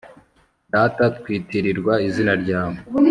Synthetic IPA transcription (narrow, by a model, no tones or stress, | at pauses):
daːtat̚kwiːtiɾiɾɡwaizinaɾɟaːmo